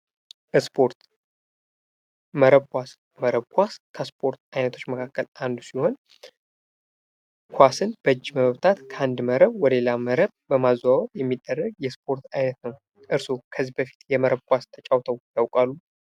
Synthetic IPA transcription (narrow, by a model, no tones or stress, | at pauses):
bəspʰo̞ɾt̪ | məɾəβkʷas | məɾəβkʷaskʰəspʰo̞ɾt̪ajnət̪ʰo̞t͡ʃːməkʰakːəlʔand̪usiho̞n | kʰʷasɨnbəɨd͡ʒːiməβəβt̪ʰat̪kʰəand̪məɾəβwɔd̪əlelaməɾəβbəmazawtjɛmːid̪ːərːəɡjɛspʰo̞ɾt̪ajnət̪nəw | ʔɨɾsokʰəzːibəfi̥t̪jɛməɾəβkʷast̪ʰət͡ʃʼawt̪ʰəwjawkʼalːu